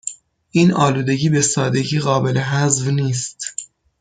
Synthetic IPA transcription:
ʔiːnɒːluːd̪e̞ɟiːbe̞sɒːd̪e̞ɟiːɣɒːbe̞leɦæzvniːst̪

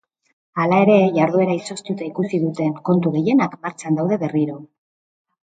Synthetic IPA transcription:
alae̞ɾe̞ʝaɾðue̞ɾaiso̞st̪ut̪aikusiðut̪e̞ŋko̞nt̪uɣe̞je̞nakmaɾt͡ʃand̪awðe̞βe̞riɾo̞

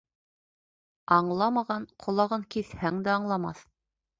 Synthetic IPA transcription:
ɑɴlˠɑmɑʁɑnqʰŏlˠɑʁɤŋkiθhæŋd̪æɑɴlˠɑmɑ̰θ

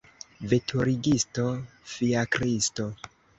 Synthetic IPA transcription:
vetʰuɾiɡisto̞ | fiakɾisto

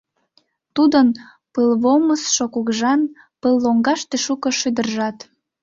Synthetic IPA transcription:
t̪ud̪ən | pəlβoməsʃokuɣʒɑn | pəlːoŋɡɑʃt̪eʃukəʃyd̪ərʒɑt̪

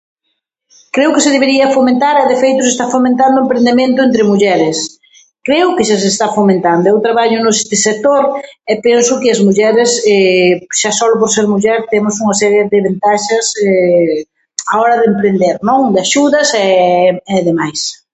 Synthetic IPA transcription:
kɾewkɪsɪðeβeɾiɐfomẽnt̪aɾɛðɪfejt̪ʊs̬est̪afomẽnt̪and̪ʊempɾend̪emẽnt̪ʊent̪ɾɪmuʎɛɾɪs | kɾeʊkɪʃas̬est̪afomẽnt̪and̪ʊɛwt̪ɾaβaʎʊnʊest̪ɪset̪oɾɛpɛnsʊkɪɐzmuʎɛɾɪsɛʃasɔlʊp̬oɾseɾmuʎɛɾt̪emʊsuŋɐsɛɾjeðɪβent̪aʃɐsɛ | aɔɾɐðempɾend̪eɾnõŋd̪aʃuðɐsɛɛðemajs

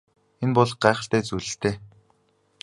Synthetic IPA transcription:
enpɔɮχɢæːχə̆ɬt̪æːt͡sujɮɘ̆ɬt̪ʰeː

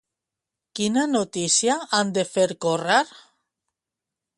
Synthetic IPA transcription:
kinanot̪isjaand̪efeɾkoraɾ

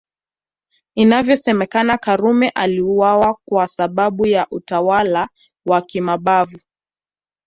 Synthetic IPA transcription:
inavjɔsɛmɛkanakaɾumɛʔaliuwawakwasaɓaɓujaʔutawala | wakimaɓavu

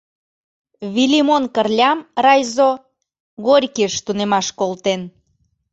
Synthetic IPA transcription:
βilimonkərlʲɑmrɑjzo | ɣorʲkiʃt̪unemɑʃkolt̪en

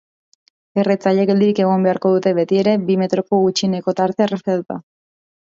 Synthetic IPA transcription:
e̞ret͡saʎeɣeld̪iɾike̞ɣ̞o̞mbe̞aɾko̞ðut̪e̞βe̞t̪ie̞ɾe̞bime̞t̪ɾo̞ko̞ɣut͡ʃineko̞t̪aɾt̪e̞ereset̪ut̪a

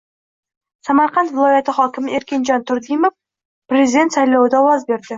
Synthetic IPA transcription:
samɑɾqɑnt̪vɪlˠɒjat̪ɪχɒkʲɪmɪeɾkʲe̞nd͡ʒɑnt̪ʰʊɾd̪ijmof | prʲezʲid̪ʲe̞nt̪sɑjlˠɑwɪd̪awɑzbe̞ɾd̪ɪ

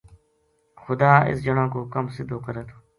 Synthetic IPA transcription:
xʊd̪aːɪ̰sd͡ʒəɳãːkoːkəmsɪd̪ʱoːkəɾeːt̪o̥ː

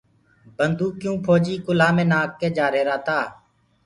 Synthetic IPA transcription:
bənd̪uːkjũːpʰoːd͡ʒiːkʊlaːmẽːnaːkːeːd͡ʒaːɾeːɾaːt̪aː

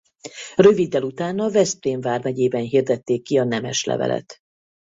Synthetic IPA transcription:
rø̞vid̪ːɛlut̪aːnɒvɛspreːɱvaːrmɛɟeːbɛnɦird̪ɛt̪ːeːkːiɒnɛmɛ̰ʃlɛ̰vɛ̰lʔɛ̰t̪

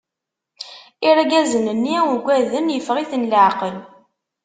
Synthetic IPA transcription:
iɾæɡæzənənːiæwɡʷæðəmjəfʁiθənləʕqəl

